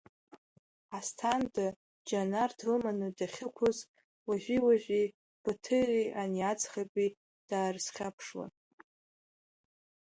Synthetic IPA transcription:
astʰandɨ | d͡ʒanardʰlmanɨdaχʲɪkʷʰʊz | waʒʷᶣiwaʒʷᶣi | b̥atʰɨrʲiʔaniad͡zχapʼi | d̥aːrsχʲapʰʂwa̰

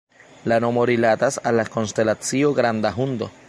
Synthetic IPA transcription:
lano̞moɾilatasalːako̞nste̞lat͡sio̞ɡɾandaɦundo̞̰

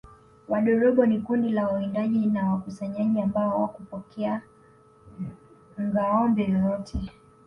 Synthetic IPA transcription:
waɗɔɾɔɓɔnikundilawaindaʄinawakusaɲaʄiambaɔwa̰kupɔkʰɛa | ŋɡaɔmbɛjɔjɔtʰɛ

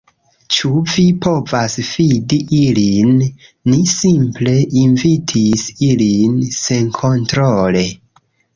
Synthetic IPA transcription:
t͡ʃuvipʰo̞vasfidiʔilinːisimple̞ʔinvitʰisilinse̞nkʰo̞ntɾole̞

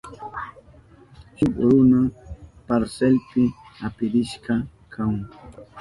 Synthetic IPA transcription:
t͡ʃʊkɾʊnapaɾselpɪapɪɾɪʃkɑ | kʰaŋ

